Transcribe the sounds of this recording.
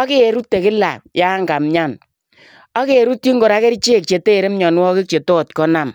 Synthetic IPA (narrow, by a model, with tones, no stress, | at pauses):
ɔ˦ke˦e˨ɾu˦tːe˨kɪ˦la̰˨ja˦ŋɡa˨mɲa˦˨n | ɔ˦ke˦e˨ɾu˦tːi˦ŋɡo˨ɾa˦ke˦ɾi˦t͡ʃe˦˨k̚t͡ʃe˨teː˦˨ɾe˦mɲɔ˨n˦wɔ˦kɪ˦k̚t͡ʃe˨tɔ˦˨tkɔ˦na˨m